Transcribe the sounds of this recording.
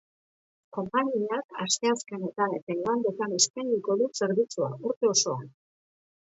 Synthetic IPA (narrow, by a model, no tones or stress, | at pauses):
ko̞mpaɲiaka̰st̪e̞aske̞ne̞t̪anet̪aland̪et̪anespajnd̪iko̞ðuse̞ɾβit͡suauɾt̪e̞o̞so̞an